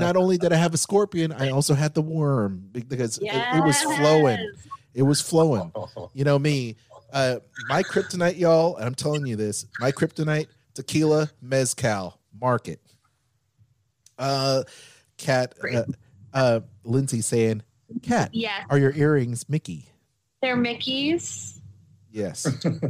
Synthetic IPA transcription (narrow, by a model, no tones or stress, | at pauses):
nəɾõʊ̃nlidɨɾaɪɨvəskɔɹpiɨ̃na̰ɪɔlˠsoʊɨd̪̚ðəwɜ̃˞mbɨbɨkʌzɪɾɪt̚wʌz̥floʊɪ̃ŋɨt̚wʌz̥floʊɪ̃ŋjɨñoʊmiʌmaɪkʰɹ̥ɪp̚tɨnaɪʔjɔlˠə̰̃nãɪ̃mtʰɛlˠɪ̃ŋjɨðɪsmaɪkʰɹ̥ɪp̚tɨnaɪtːʰ | ɨkʰilˠəmɛz̥kʰaʊ | mɑɹkɨt̚ | ʌ | kʰæt̚ʌ | ʌlɪ̃nziseɪɪ̃n | kʰæt̚jə˞jə˞ɪɹɪ̃ŋzmɪki | ðə˞mɪkiz̥ | jɛs